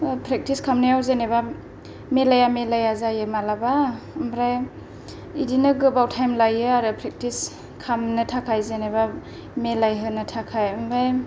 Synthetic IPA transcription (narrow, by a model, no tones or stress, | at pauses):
pʰɾek̚tiskʰamnɯjawzeneba | melajamelajazajɯmalaba | ɯmbɾaj | idinɯɡɯbawtʰajmlajɯaɾɯpʰɾek̚tis | kʰamnɯtʰakʰajzeneba | melajɦɯnɯtʰakʰajɯmbɾaj